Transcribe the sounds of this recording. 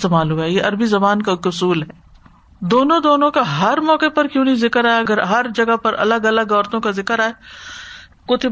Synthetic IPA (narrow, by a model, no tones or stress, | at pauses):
t̪eːmaːlɦuaɛjeʔɐɾbizɐbaːnkakʊsuːlɦɛː | d̪oːnõd̪oːnõkaɦɐɾmɔːkepɐɾkjõːnɐĩzɪkəɾaːeɐɡəɾɦɐɾd͡ʒɐɡapɐɾɐ̰ləɡɐləɡɔːɾt̪õkazɪkəɾaːe | koːt̪ʰi